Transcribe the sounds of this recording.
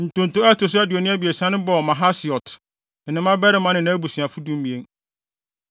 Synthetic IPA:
n̩˨tʊ̃˨n̩˨tʊ˦ɛ˦tʊ˨s̬ʊ˦æ˦du˨o˨nɪ̃˦æ˦bi˨e˨sã˦nʊ̃˦bɔ˨mã˨ɦa˦sɪ˨ɔ˨t̩˨ | nɪ̃˦mã˦bɛ˦ɾɪ˦mã˦nɪ̃˨nã˦bu˨sĩ˨a˨fu˦dũ˦m˦mĩ˨e˦n

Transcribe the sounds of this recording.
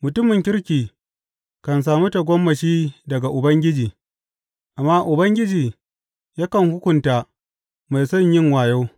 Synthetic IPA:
mʊ˨tʊ˦mɪ˨ŋkʲɪ˦ɾkʲiː˨ | kɐ˨ns̬aː˨mu˦ta˨ɡʷɔ˦mːɐ˨ʃiː˦dɐ˨ɡa˨ʔʊ˨bɐ˦ŋɡʲɪ˦d͡ʒiː˨ | ʔa˨mːaː˦ʔʊ˨bɐ˦ŋɡʲɪ˦d͡ʒiː˨ | jaː˦kɐ˨ŋhʊ˦kʷʊ˨ntaː˨ | ma˨jsɔ˦˨ɲjɪ˦ŋwaː˨jo˦w

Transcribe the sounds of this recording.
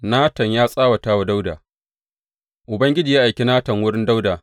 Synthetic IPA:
naː˦tɐ˨ɲjaː˦sʼaː˦wa˨taː˦wa˨da˦wdaː˨ | ʔʊ˨bɐ˦ŋɡʲɪ˦d͡ʒi˨jaː˦ʔa˨jkʲi˦naː˦tɐ˨ŋwʊ˦ɽɪ˦nda˦wdaː˨

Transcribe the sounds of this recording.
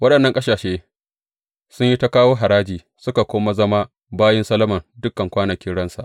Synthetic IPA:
wɐ˦ɗɐ˨nːɐ˦ŋkʼɐ˦saː˨ʃeː˦ | sʊ˦ɲji˦ta˦kaː˦woː˦ɦa˨ɾaː˦d͡ʒiː˨ | sʊ˦ka˨kʷoː˦ma˦zɐ˦ma˦ | baː˦jɛ˦nsɐ˦lɐ˦mɐ˨ndʊ˦kːɐ˨ŋkʷaː˦nɐ˨kʲɪ˦ɽɐ˦nsa̰˨ʔ

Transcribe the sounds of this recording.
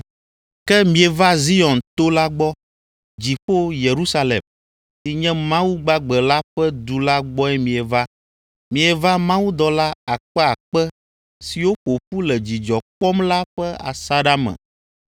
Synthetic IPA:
kɛ˦mĩ˨ɛ˨va˦zi˦ɔ̃˨nt̪o˦la˦ɡ͡bɔ˦ | d͡ʑi˨ɸo˦je˨ɾu˦sa˦lɛ̰˨m | si˨ɲɛ̃˦mã˦wu˦ɡ͡ba˦ɡ͡bɛ˨la˦ɸɛ˦d̪u˨la˦ɡ͡bɔ˦ɛ˦mĩ˨ɛ˨va˦ | mĩ˨ɛ˨va˦mã˦wu˦d̪ɔ˨la˦a˨k͡pɛ˦a˨k͡pɛ˦ | si˨wo˦ɸo˨ɸu˦lɛ˨d͡ʑi˨d͡ʒɔ˨k͡pɔ˦mla˦ɸɛ˦a̰˨sa˦ɖa˦mɛ̰̃˨

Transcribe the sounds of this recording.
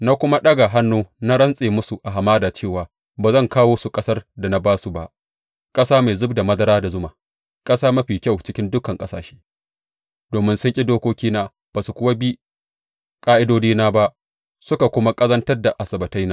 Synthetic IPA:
na˦kʷʊ˦ma˦ɗɐ˦ɡa˨ɦa˦nːoː˦na˦ɽɐ˦nsʼeː˨mʊ˦su˨ʔa˨ɦa˨maː˦daː˨t͡ʃeː˦˨waː˨ | baː˨zɐ˦˨ŋkaː˦woː˦su˨kʼɐ˦sɐ˦rda˨na˦baː˦su˨ba˦ʔ | kʼɐ˦saː˦ma˨zʊ˦bda˨mɐ˦zɐ˦ɾaː˦da˨zʊ˦maː˨ | kʼɐ˦saː˦mɐ˦ɸiː˨kʲɐ˦˨wt͡ʃɪ˦kʲɪ˦ndʊ˦kɐ˨ŋkʼɐ˦saː˨ʃe̥ː˦ | d̥oː˨mɪ˦nsʊ˦ŋkʲʼi˦doː˦kʷoː˦kʲiː˦naː˦ | b̥aː˨su˨kʷʊ˦wa˦bi˦ | kʼaː˦ʔɪ˦doː˦d͡ʒiː˦naː˦ba˦ | sʊ˦ka˨kʷʊ˦ma˦kʼɐ˦zɐ˦ntɐ˦rda˨ʔa˨sɐ˨bɐ˨ta˦jnaː˦

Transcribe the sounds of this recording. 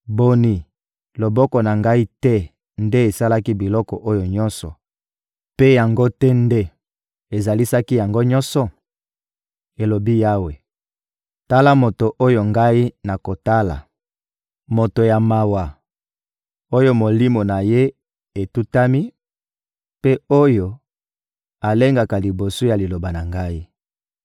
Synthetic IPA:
bo˨ni˨ | lo˨bɔ˦kɔ˨na˨ŋɡa˦i˦tɛ˦ | nde˦e˨sa˦la˦ki˦bi˨lɔ˦kɔ˨ʔo˦jo˨ɲɔ˦nsɔ̰˨ | pe˦ja˨ŋɡo˦tɛ˦nde˦ | e˨za˨li˦sa˦ki˦ja˨ŋɡo˦ɲɔ˦nsɔ˨ | e˨lo˨bi˦ja˦we˨ | ta˦la˦mo˨to˨ʔo˦jo˨ŋɡa˦i˦na˨ko˨ta˦la̰˨ | mo˨to˨ja˨ma˨wa˨ | o˦jo˦mo˨li˦mo˨na˨je˦ | e˨tu˦ta˦mi˦ | pe˦o˦jo˦ | a˨le˦ŋɡa˨ka˨li˨bo˨su˦ja˨li˨lo˨ba˨na˨ŋɡa˦i˦

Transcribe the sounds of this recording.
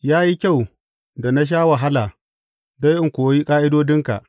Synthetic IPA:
jaː˦ji˦kʲa˦˨w | da˨na˦ʃ̬aː˦wa˨ɦa˦laː˨ | da˦jʔɪ˦ŋkʷoː˨˦ji˦kʼaː˦ʔɪ˦doː˦dɪ˦ŋka̰˨ʔ

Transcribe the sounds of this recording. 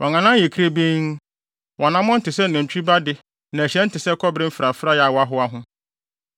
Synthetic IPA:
wʔɔ̃˨ŋã˨nã˦je˨kʰi˦ɾe˦bĩ˦ŋ | wʔɔ̃˨nã˦mɔ̃˦n̩˦tɪ˨sɛ˦˨nʊ̃˨ɲ̩˨t͡ɕᶣi˦ba˦dɪ˨ | nã˨æ˨ɕɛ̃˦n̩˦tɪ˨sɛ˦kʰɔ˦bɾɪ˦m̩˦fɾa˨fɾa˦ja˨wa˦ɦʊ˦a˦ɦʊ̃˦

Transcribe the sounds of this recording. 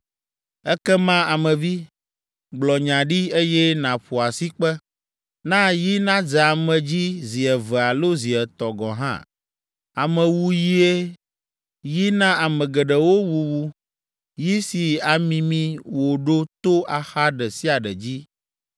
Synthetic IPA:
ɛ˦kɛ˦mã˦a˨mɛ̃˨vi˦ | ɡ͡blɔ˨ɲã˨ɖi˦e˦jɛ˦nã˨ɸo˨a˨si˦k͡pɛ˦ | nã˦ji˦nã˦d͡zɛ˨a˨mɛ̃˨d͡ʑi˦zi˨ɛ˨vɛ˨a˨lo˦zi˨ɛ˨t̪ɔ˨ɡɔ̃˨ɦã̰˦ | a˨mɛ̃˨wu˦ji˦e˦ | ji˦nã˦a˨mɛ̃˨ɡɛ˨ɖɛ˨wo˦wu˨wu˦ | ji˦si˨a˨mĩ˨mĩ˦wo˨ɖo˦t̪o˦a˨xa˦ɖɛ˨si˦a˨ɖɛ˨d͡ʑi˦

